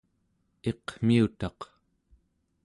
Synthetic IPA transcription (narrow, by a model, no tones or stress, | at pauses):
e̞qm̥iut̪ɑq